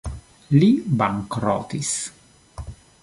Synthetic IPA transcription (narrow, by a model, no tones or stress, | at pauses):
libaŋkɾɔ̰ːt̪is